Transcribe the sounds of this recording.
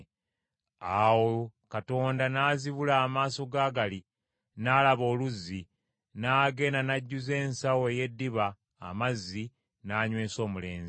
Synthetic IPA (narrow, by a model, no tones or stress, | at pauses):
awokato̞ːndanaːziβulaːmaːso̞ɡaːɡali | naːlaβo̞ːluzːi | naːɡe̞ːnanaɟːuze̞ːnsaweje̞dːiβa̰ː | mazːi | naːɲwe̞ːso̞ːmule̞̰ːnzi